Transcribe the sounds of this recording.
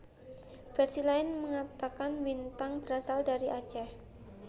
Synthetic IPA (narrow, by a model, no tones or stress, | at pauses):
fɛrsilaɪnməŋat̪akanwint̪aŋbəɾasaldaɾiʔḁd͡ʒah